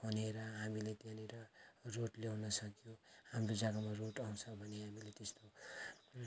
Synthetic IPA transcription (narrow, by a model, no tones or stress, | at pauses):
pʰʌneɾʌɦamilet̪janeɾʌroʈlewnʌsʌkijohamrod͡zaɡamaroʈaw̃t͡sʰʌbʱʌneɦamilet̪est̪o